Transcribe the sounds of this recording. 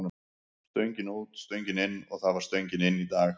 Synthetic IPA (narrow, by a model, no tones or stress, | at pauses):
na | st̪œɥɲcɪnuːt̪st̪œɥjɲcɪnɪnːɔɣθaðvaɾ̥st̪œɥɲcɪnɪnːit̪aːɣ